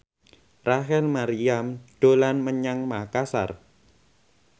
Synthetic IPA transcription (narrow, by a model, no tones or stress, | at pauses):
raɦɛlmaɾiamd̥o̤lanməɲaŋmakasa̰r